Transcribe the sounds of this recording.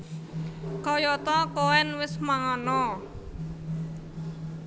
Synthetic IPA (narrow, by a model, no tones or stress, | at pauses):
kɔjɔt̪ɔkowɛnwɪsmaŋɔnɔ